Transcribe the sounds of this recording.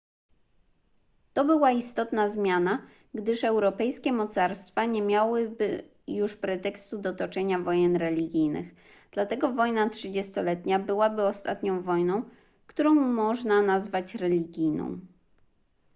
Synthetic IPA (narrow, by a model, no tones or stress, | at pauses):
t̪ɔbɘwaist̪ɔt̪nazmʲjana | ɡd̪ɘʂɛwɾɔpɛjskʲɛmɔt̪saɾst̪faɲɛmʲjawɘbɘ | juʂpɾɛt̪ɛkst̪ud̪ɔt̪ɔt͡ʂɛɲavɔjɛnɾɛlʲiɡʲijnɘ̰ɣ | d̪̥lat̪ɛɡɔvɔjnatʂɘd͡ʑɛst̪ɔlɛt̪ɲabɘwabɘɔst̪at̪ɲɔ̃w̃vɔjnɔ̃w̃ | kt̪uɾɔ̃w̃mɔʐnanazvat͡ɕɾɛlʲiɡʲijnɔ̰̃w̃